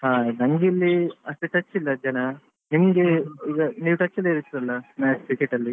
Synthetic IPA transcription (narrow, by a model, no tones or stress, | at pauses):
ɦaːnɐŋɡilːiɐʂt̪eʈɐt͡ʃːilːɐd͡ʒɐnɐ | nimɡeiːɡɐniːʋʈɐt͡ʃːilːɐiɾit̪ːiɾɐlːɐnaːkɾikeʈːɐlːi